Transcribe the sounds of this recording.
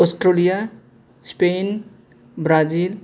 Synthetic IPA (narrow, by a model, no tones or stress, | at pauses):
osʈɾolija | spen | bɾad͡ʒil